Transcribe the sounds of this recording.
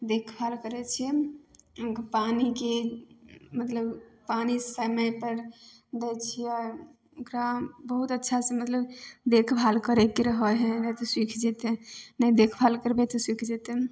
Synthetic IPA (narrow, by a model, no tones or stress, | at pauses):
d̪ekʰbʱalkəɾɛt͡ʃʰiɛ | oɡpanike | mət̪ləbpanisəməjpəɾ | d̪ɛt͡ʃʰiɔɾ | okɾabəɦut̪ətːʃʰasẽmət̪ləbd̪ekʰbʱalkəɾɛkeɾəɦəɦɛ̃nəjt̪ɔswikʰd͡ʒit̪nəjd̪ekʰbʱalkəɾbet̪ɔswikʰd͡ʒit̪e